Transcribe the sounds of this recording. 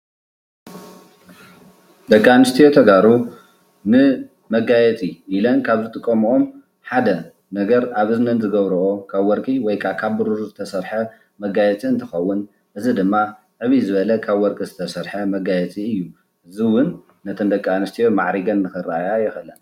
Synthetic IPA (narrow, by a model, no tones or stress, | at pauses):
d̪ɐkʼːanɨst̪ʰijot̪ʰɐɡaɾu | nɨ | mɐɡajɛt͡sʼiʔilɐnkʰaβzɨt̪ʼɨkʼːomʔom | ħad̪ɐ | nɐɡɐɾaβʔɨznɐnzɨɡɐβɾɐʔokʰaβwɔɾkʼiwɔjkʰakʰaβbuɾuɾzɨt̪ʰɐsɐɾħɐ | mɐɡajɛt͡sʼiɨnt̪ʰɨxɐwːʊn | ʔɨzid̪ɨmːa | ʕɨβizɨβɐlɐkʰaβwɔɾkʼizɨt̪ʰɐsɐɾħɐmɐɡajɛt͡sʼiɨjːu | ʔɨziwʊnː | ɐt̪ʰɐnd̪ɐkʼːanɨst̪ʰijoma̰ʕɾiɡɐnːɨxɨrːaajajɛxɨlɐn